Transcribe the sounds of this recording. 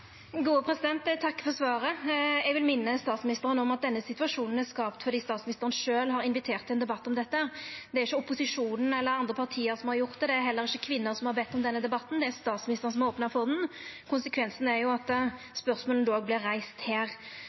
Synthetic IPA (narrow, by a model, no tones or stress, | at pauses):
ɡuːəpʰɾɛsɪd̪ɛnt̪t̪ʰɑkːfɔɾsʋɑːɾəɛɡʋɪlmɪnːəst̪ɑːt̪smɪnɪst̪əɾənɔmɑt̪̚d̪ɛnːəsɪt̪ʉɑʂuːnn̩æskɑːpt̪fɔɾd̪iːst̪ɑːt̪smnɪst̪əʁənʂøːlɦɑɾɪnʋɪt̪ʰeːʁt̪ʰːɪɛnd̪ɛbɑt̪ːɔmd̪ɛt̪ːəæʁd̪ɛæɾɪçːəʊpʊsɪʂuːnn̩ɛlːəɾɑnd̪ʁəpʰɑʁt̪ʰiːəɾsɔmhɑɾjʊʁt̪d̪ɛd̪ɛæɾɦɛlːəɾɪçːəkʰʋɪnːʊɾsɔmhɑɾbɛt̪ːɔmd̪ɛnːəd̪ɛbɑt̪ːnd̪ɛæɾst̪ɑːt̪smɪnɪst̪əʁn̩sɔmoːpnɑfɔnn̩kʰʊnsəkʰʋɛnsn̩ɛɾjʊɑt̪ | spœɾsmoːln̩loːɡ̚blɪɾːæɪst̪heːɾ